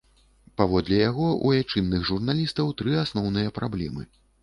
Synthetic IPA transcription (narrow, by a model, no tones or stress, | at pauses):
pavɔd̪lʲɛjaɣɔʔṵjat͡ʂɨnːɨɣʐurnalʲist̪ɐwt̪ɾɨasnɔwnɨjɐpɾablʲɛ̰mɨ̰